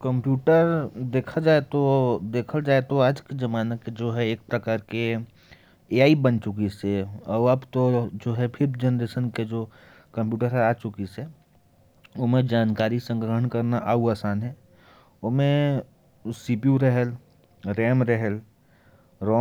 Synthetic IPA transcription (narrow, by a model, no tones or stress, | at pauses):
kə̃mpjuːʈəɾd̪eːkʰad͡ʒaːet̪od̪eːkʰəld͡ʒaːet̪oaːd͡ʒkezɐmaːnəked͡ʒoːɦɛeːk̚pɾɐkaːɾke | eːaːibənt͡ʃʊkiseɔːəbt̪od͡ʒoːɦɛpʰɪɾbd͡ʒənɾeːʃənked͡ʒoː | kɐ̃mpjuːʈəɾɦɛaːt͡ʃʊkise | ʊɦmẽd͡ʒaːnkaːɾisə̃ŋɡɾəɦəɳkɐɾnaʔaːuaːsaːnɦɛ | ʊɦmẽ | siːpiuɾɛɦɛl | ɾɛːmɾɛɦɛl | ɾɔː